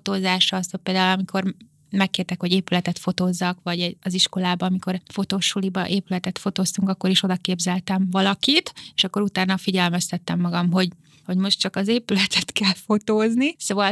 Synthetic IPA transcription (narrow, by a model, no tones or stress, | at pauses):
ot̪oːzaːʃɒsthoc̚peːld̪aːulɒmikʰo̞r | mɛkːeːrt̪ɛkho̞ɟeːpylɛt̪ɛt̪fo̞t̪oːzːɒkʋɒɟɛɒziʃko̞laːbɒːmiko̞rfo̞t̪oːʃulibɒʔeːpylɛt̪ɛt̪fo̞t̪oːst̪uŋkɒkːo̞ɾiʃo̞d̪ɒkeːbzɛlt̪ɛɱvɒlɒkit̪eːʃɒkːo̞ɾut̪aːnːɒfiɟɛlmɛst̪ɛt̪ːɛmːɒɡɒmɦo̞ɟ | ho̞ɟmo̞ʃtt͡ʃɒkɒzeːpylɛt̪ʰɛt̪kɛlfo̞t̪oːznisoːvɒ